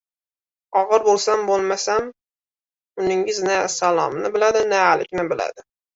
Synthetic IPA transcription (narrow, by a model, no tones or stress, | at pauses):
ɒʁɨɾbolˠsambolˠmasam | ʊnɪŋɪznasalˠɒ̰mnɪbɪlad̪ɪnaːlɪ̰kʲnɪbɪla̰d̪ɪ